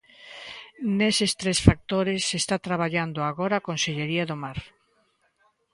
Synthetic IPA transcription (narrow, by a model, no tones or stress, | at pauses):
nesest̪ɾesfak̚t̪oɾesest̪at̪ɾaβ̞aʎand̪oaɣoɾaːkonseʎeɾiaðomaɾ